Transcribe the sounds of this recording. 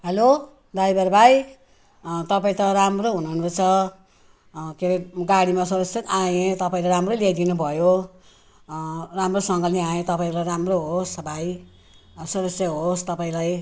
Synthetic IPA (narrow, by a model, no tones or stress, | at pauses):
ɦʌlo | d̪ajbaɾbʱaj | t̪ʌpaĩt̪ʌɾamroɦunuɦunrot͡sʰʌ | keɾiɡaɽimasud̪ʌksjʌt̪ajet̪ʌpaĩlajɾamrolajd̪inubʱʌjo | ramrosʌŋɡʌlniãjẽt̪ʌpaĩlajɾamroɦosbaj | sud̪ʌsjʌɦost̪ʌpaĩlaj